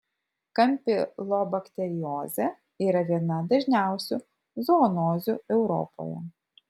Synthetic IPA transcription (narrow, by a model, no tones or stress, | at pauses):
kɐmʲpʲɪlˠɔbɐkt̪ʲɛɾʲɪjoːzʲɛ | iːɾɐʋʲiɛnɐd̪ɐʒʲnʲæˑʊsʲu | zɔːnoːzʲuɛʊɾɔ̰po̰jɛ̰